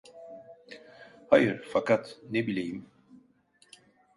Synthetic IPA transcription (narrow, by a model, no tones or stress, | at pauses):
hajɯɾfakʰat̪nebilʲejim